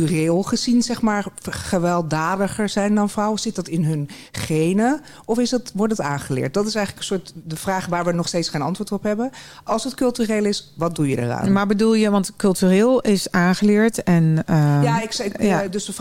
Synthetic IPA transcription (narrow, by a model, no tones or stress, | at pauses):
reːlˠχəzinzɛχmaːɹχəʋɛlˠdaːdəχəɹz̥ɛjndɑnfrʌwəz̥ɪt̚dɑtɪnɦɵn | χejnə | ɔfɪsdɑtʋɔɹdəta̰ːχəlɪ̰ːɹt̚dɑtɪsɛjχləkənsʊːɹtdəvraːχʋaːɹʋənɔχstejtsχejnɑ̰ntʋʊːɹtɔpɦɛbəɑlˠsətkɵlˠtyreːlˠɪsʋɑt̚dujədə̰ra̰ːnmaːɹbədulˠjəʋɑntkɵlˠtyrɪːlˠɪsaːχəlɪːɹtɛnəjaɪkdɵsə